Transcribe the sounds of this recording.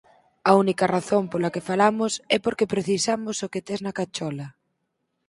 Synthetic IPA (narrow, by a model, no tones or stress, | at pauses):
ɐunikɐraθompolɐkefalamʊsɛpoɾkepɾeθisamʊsoket̪eznɐkat͡ʃɔlɐ